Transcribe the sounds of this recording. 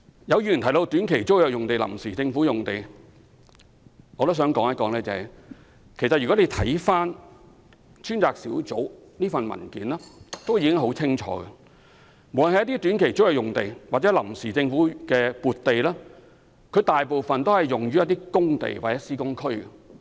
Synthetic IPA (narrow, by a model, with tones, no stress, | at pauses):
jɐ˨˧wjy˧˨˩t̪ʰjt̪o˧wt̪yː˨˥nkʰe˨˩jt͡swjœː˨˩jʊ˨ŋt̪e˨jlɐ˨˩msiː˨˩t͡sɪ˧ŋfuː˨˥jʊ˨˩ŋt̪e˨j | ŋɔː˨˧t̪o˥ws̬œː˨˥ŋkɔː˨˧˥ŋjɐ˥t̚kɔː˨˥ŋlɛː˥t͡sɐ˨˩hɐ˨j | kʰe˨˩sɐ˨t̚ɥy˨kɔ˨˥le˨˧jt̪ʰɐ˨˥jfaː˥n | t͡ʃʰyː˥nt͡saː˨k̚siː˨˥wt͡so˨˥wniː˥fɐ˨nmɐ̰˨˩nkḭː˨˥nlɛː˥t̪o˥wjiː˨˧kɪ˥ŋɦo˨˥wt͡sʰɪ˥ŋt͡ʃʰɔ̰ː˨˧˥ɡɛ˨ | mo˨wlnhjɐ˥t̪iː˥t̪yː˨˥nkʰe˨˩jt͡so˥wjɛː˨˧jʊ˨ŋt̪e˨jwaː˨t͡sɛ˨˦˥lɐ˨˩msiː˨˩t͡sɪ˧ŋfuː˨˥kɛː˧puː˨t̚t̪e˨jlɛː˥ | kʰɵ˨˧jt̪aː˨jpo˨wfɐ˨nt̪o˥hɐ˨jːʊ˨ŋɥyː˥ɐ˥t̚t̪iː˥kʊ˥ŋt̪ḛ˨jwaː˨t͡sɛː˨˥siː˥kʊ˥ŋkʰɵ˥ɥɡɛ̰˨